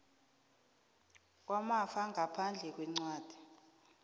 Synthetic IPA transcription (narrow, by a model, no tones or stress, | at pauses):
wamafaŋʱapʰand͡ɮʱɛk̬wɛŋ͡ǀwaːd̥ʱi